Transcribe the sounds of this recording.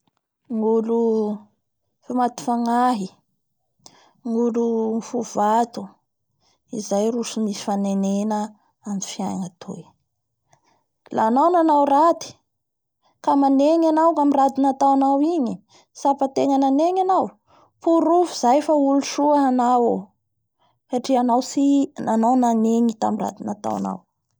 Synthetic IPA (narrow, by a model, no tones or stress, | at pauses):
ŋulu | famat̪u̥faŋaɦi | ŋulufuv̥at̪u̥ | izajrusumisi̥fanenenə | amifia̰jnat̪ʰo̰ | lanawnanawrat̪i̥ | kamaneɲanawkamirad̪inat̪awanawiɲi | sapat̪eŋənaneɲanaw | puɾuvuzajfauluʃuaɦanawo | haʈ͡ʂianawsinanawnaneɲit̪amira̰d̪inat̪a̰wa̰na̰w